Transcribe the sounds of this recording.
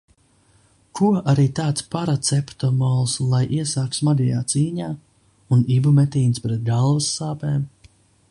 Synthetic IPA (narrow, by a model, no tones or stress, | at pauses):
kʰuʔaɾiːt̪aːt̪spaɾat̪sɛpt̪ɔmɔlˠslˠajʔiɛsaːkt̪smad̪ʲijaːt̪siːɲaː | unibumɛt̪iːnspɾɛt̪̚ɡalˠvɐsːaːpɛːm